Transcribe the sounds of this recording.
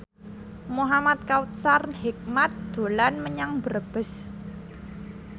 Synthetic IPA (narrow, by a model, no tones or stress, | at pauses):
muɦamat̪̚kawut̪sarnhik̚mat̪̚d̪̥o̤lanməɲaŋbəɾəb̥ə̤s